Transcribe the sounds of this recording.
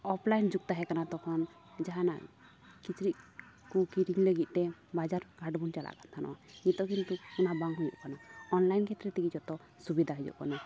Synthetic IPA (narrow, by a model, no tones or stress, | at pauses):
ɔpʰlajnd͡ʒuɡ̚t̪aɦɛkanat̪ɔkʰɔn | d͡ʒaɦana̰ʔ | kit͡ʃɾiʔ | kukiɾiŋləɡit̪̚ˀt̪ɛbad͡ʒaɾɡʱaʈbunt͡ʃala̰ʔkant̪ʰanɔ̰wait̪ɔkint̪uunabaŋɡɦujṵʔkanɔɔnlajnkʰɛt̪ɾɛt̪iɡid͡ʒɔt̪ɔ | subid̪ʱaɦɛd͡ʒɔ̰ʔkanɔ